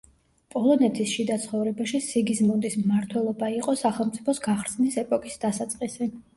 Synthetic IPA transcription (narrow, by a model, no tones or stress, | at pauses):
pʼɔlˠɔnɛt̪ʰisʃid̪at̪sʰχɔvɾɛbaʃisiɡismund̪ismmaɾt̪ʰwɛlˠɔbaiqʼɔsaχɛlˠmt̪sʼipʰɔsɡaχɾsnisɛpʼɔkʼisd̪asat̪sʼqʼisɛ